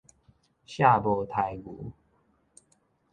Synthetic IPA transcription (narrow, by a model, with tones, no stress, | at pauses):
ɕja˥˨bɔ˧˦t̪ʰa˧˦jɡṵ˨˦